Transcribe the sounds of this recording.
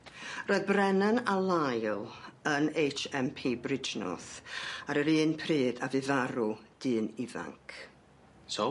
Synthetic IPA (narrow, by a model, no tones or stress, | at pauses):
roːɨðbrɛnənalˠajlˠənejt͡ʃɛmpʰiːbrɪd͡ʒnɔ̰θaɾəɾiːnpʰriːdavɨðaɾud̥ɨːnɪva̰ŋkʰ | so